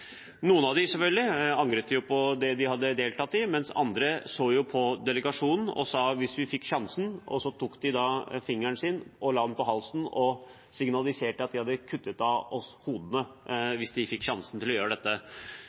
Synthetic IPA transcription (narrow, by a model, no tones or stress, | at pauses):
nuːənɑʋd̪ɪsɛfœlɡ̪lɪɑŋɡɾət̪əjʊpʰɔd̪ɛd̪ɪhɑd̪ːəd̪eːlt̪ɑt̪ːɪmɛnsɑ̰nd̪ɾəsoːjʊpʰɔd̪ɛləɡɑʂuːnn̩ɔ̰sɑːʋɪsʋɪfɪkːɕɑnsn̩ɔsːɔt̪ʰuːkd̪ɪd̪ɑfɪŋːæɳsɪːnʔɔlɑːɑnpɔɦɑlsn̩ɔ | sɪŋnɑlɪseːʈəɑt̪̚d̪ɪhɑd̪ːəkʰʉt̪ːət̪ɑɔshuːd̪ənəʋɪsd̪ɪfɪkːɕɑnsn̩t̪ʰɪlɔjøːɾəɖɛt̪ːə